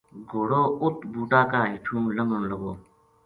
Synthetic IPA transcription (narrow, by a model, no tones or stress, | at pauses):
ɡʱoːɽoːʊt̪buːʈaːkaːɦiʈʰũːləŋɡənləɡoː